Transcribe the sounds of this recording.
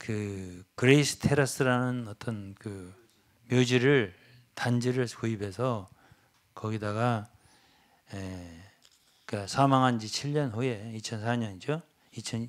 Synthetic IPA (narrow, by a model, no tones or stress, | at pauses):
kɯkɯɾeis͈ʰɯ̥tʰe̞ɾas͈ʰɯɾanɯnʌt͈ʌnkɯ | mjod͡ʑiɾɯɭ | tand͡ʑiɾɯɭkoibe̞sʰʌ | kʌɡidaɡa | je | kasʰamaŋɦand͡ʑit͡ɕʰiʎɲʌnɸoe̞it͡ɕʰʌns̬ʰaɲʌnid͡ʑo | it͡ɕʰʌn